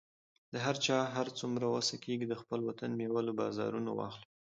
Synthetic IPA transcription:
d̪̥əɦaɾt͡ʃɑɦaɾt͡sumɾawasakeɡid̪əxpəlwat̪anmjewalobɑ̰zɑ̰ɾunawɑ̰xli

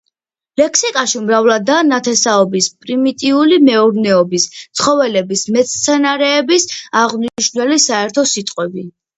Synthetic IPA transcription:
lɛkʰsikʼaʃimɾavlˠad̪anat̪ʰɛsaɔbispʼɾimit̪ʼiulimɛuɾnɛɔbist̪sʰχɔvɛlɛbismɛt̪st̪sʰɛnaɾɛːbisaʁmniʃnwɛlisaɛɾt̪ʰɔsit̪ʼqʼwɛbi

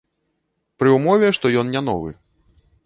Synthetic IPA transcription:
pɾɨumɔvʲɛʂt̪ɔjɔnnʲan̪ɔ̰vɨ̰

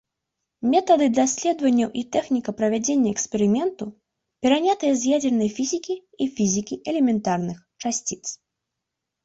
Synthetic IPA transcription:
mʲɛt̪ɐd̪ɨd̪lasʲlʲɛd̪vɐnʲːɐwʔit̪ɛxnʲikɐpɾɐvʲad͡zʲenʲːɐɛkspʲɛɾɨmʲɛnt̪u | pʲɛɾanʲat̪ɨjɐzʲjad͡zʲɛrnɐjfʲizʲikʲiifʲizʲikʲiʔɛlʲɛmʲɛnt̪arnɨxt͡ʂasʲt͡sʲit̪s

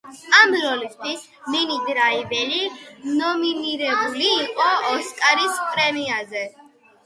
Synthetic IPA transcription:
amɾɔlist̪ʰwis | ninid̪ɾaibɛlinɔminiɾɛbuliːqʼɔːskʼaɾispʼɾɛmiazɛ

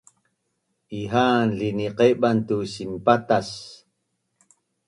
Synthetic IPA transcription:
ʔiɦanɮiniqeʔɓant̪usimpat̪as

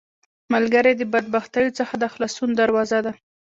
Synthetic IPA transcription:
malɡaɾed̪əbad̪̚baxt̪ajot͡səxad̪əaxlɑsund̪aɾwɑzad̪a

